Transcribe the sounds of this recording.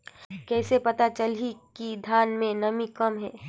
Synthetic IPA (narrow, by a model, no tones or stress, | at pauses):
kɛːsepɐt̪at͡ʃɐlɦikid̪ʱjaːnmẽnɐmikɐmɦɛː